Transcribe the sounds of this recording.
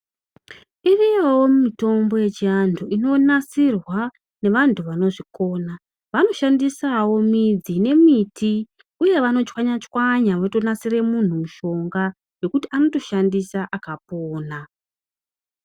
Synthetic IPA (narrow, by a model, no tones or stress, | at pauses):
irijewommito̞mbo̞je̞t͡ʃiantʰuino̞nasirwa | ne̞ʋantʰuʋano̞ʐiko̞ːna | ʋano̞ʃandisawo̞mid͡zine̞miti | uje̞ʋano̞t͡ʃwaɲat͡ʃwaɲaʋaoto̞nasire̞mun̤umuʃo̞ŋɡa | jo̞kutiano̞to̞ʃandisaʔakapoːna